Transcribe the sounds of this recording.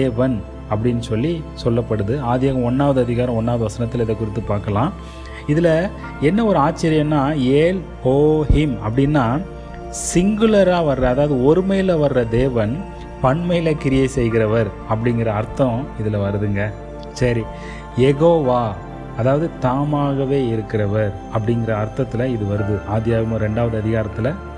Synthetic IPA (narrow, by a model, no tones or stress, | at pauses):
eːʋɐn | ɐp̬ːɐɽɪnːɯsɔlːisɔlːɐpːɐɽɯðɯaːðɪjaːɣɐ̃ɔnːaːʋɐðɯɐðɪɣaːɾɐ̃ɔnːaːʋɐðɯʋɐsɐnɐt̪ːɪlɐɪðɐkːʊɾɪt̪ːɯpaːɾkɐlãː | ɪðɪlɐ | ɛnːɐɔɾɯaːt͡ʃːeːɾɪjɐ̃nːaːeːlpoːhɪmɐ̰pːɐɽɪnːaː | sɪŋɡɯlɐɾaːʋɐɾɯɾɐɐðaːʋɐðɯɔɾɯmeːlɐʋɐɾɯɾɐd̪eːʋɐn | pɐɳmɐɪlɐkɪɾɪjɐsɛjɣɪɾɐʋɐɾ | ɐp̬ːɐɽɪŋɡɪɾɐːɾt̪ːɐ̃ɪðɪlɐʋɐɾɯðɯŋɡɐ | sɐɾi | jɛɣoːʋaː | ɐðaːʋɐðɯt̪aːmaːɣɐʋeːɪɾɯkːɪɾɐʋɐɾ | ɐpːɐɽɪŋɡɪɾɐːɾt̪ːɐt̪ːɪlɐɪðɯʋɐɾɯðɯʔaːd̪jaːʋmoɾɛɳɖaːʋɐðɯɐðɪɣaːɾɐt̪ːɪlɐ